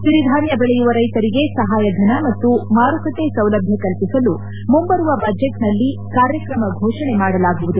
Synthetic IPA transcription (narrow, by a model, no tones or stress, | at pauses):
ʃiɾid̪ʱaːnjɐbɛɭɛjuʋɐɾɐjt̪ɐɾiɡe̞sɐɦaːjɐd̪ʱɐnɐmɐt̪ːumaːɾukɐt̪esɐwlɐbʱjekɐlpisɐlu | mumbɐɾuʋɐbɐd͡ʒeʈnɐlːi | kaːɾjɐkɾɐmɐɡʱɔːʂɐɳe̞maːɽɐlaːɡuʋud̪u